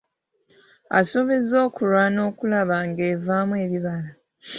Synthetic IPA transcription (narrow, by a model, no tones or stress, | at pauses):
a̰soβizo̞ːkuɾwano̞ːkulaβaːŋɡe̞ːvaːmwe̞ːβiβala